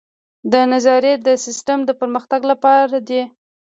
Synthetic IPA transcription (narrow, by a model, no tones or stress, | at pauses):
d̪ənazɑɾjed̪əsɪsʈəmd̪əpəɾməxt̪aɡlapɑɾad̪e